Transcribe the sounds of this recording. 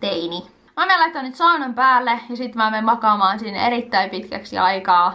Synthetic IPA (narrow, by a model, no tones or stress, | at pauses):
t̪eini | mæːmelɑit̪ːˑɑnyt̪sɑunɑmpæːlːejɑsit̪mæːmemmɑkɑːmɑːnsinːḛɾit̪ːæimpit̪kæ̰ksḭɑjkɑː